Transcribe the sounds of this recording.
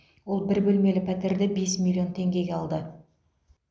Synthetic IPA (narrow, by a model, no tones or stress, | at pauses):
wo̞lˠbɪɾbɵlme̞lɪpʰæt̪ɪɾd̪ɪbe̞smʲilʲːio̞nt̪ʰe̞ŋɡʲe̞ɡʲeɑlˠd̪ə